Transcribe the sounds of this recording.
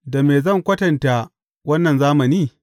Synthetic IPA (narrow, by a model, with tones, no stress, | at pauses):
da˨meː˨zɐ˦˨ŋkʷɐ˦tɐ˨nta˨ | wɐ˦nːɐ˨nzaː˦mɐ˨niː˦